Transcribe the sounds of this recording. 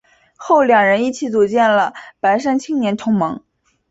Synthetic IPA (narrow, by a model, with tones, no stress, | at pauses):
xo˥˩ʊljɑ˨˩ŋɻə˧˥ni˥˩t͡ɕʰi˧˥t͡su˨˩t͡ɕjɛ˥˩nlə˩pa˧˥ɪʂa˥nt͡ɕʰi˥ŋnjɛ˧˥nʈ͡ʂʰʊ˧˥ŋmɤ˧˥ŋ